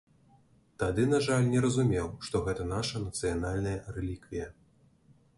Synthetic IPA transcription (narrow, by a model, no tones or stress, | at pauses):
t̪ad̪ɨnaʐalʲnʲɛɾɐzumʲɛwʂt̪ɔɣɛt̪ɐnaʂɐnɐt̪sɨjanalʲnɐjɐrɛlʲikvʲijɐ